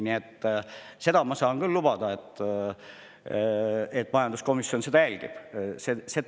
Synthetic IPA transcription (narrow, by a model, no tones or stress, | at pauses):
niet̪ːse̞d̪̥ɑmɑsɑːŋkylːub̥ɑd̪̥ɑe̞t̪ː | et̪ːˑmɑjɑnd̪̥usko̞misːjo̞nsed̪̥ɑjælʲɡ̥ḭb̥sese